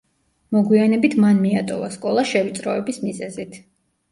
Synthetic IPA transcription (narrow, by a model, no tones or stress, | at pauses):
mɔɡwianɛbit̪ʰmanmiat̪ʼɔvaskʼɔlˠaʃɛvit̪sʼɾɔɛbismizɛzit̪ʰ